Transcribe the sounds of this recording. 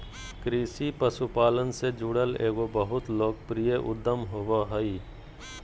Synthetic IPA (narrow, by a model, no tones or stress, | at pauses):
kɾiːsipəsupaːlənsed͡ʒuːɽəleːɡobəɦʊt̪loːɡpɾijəʔʊ̰d̪ːəmɦoːʋoɦəi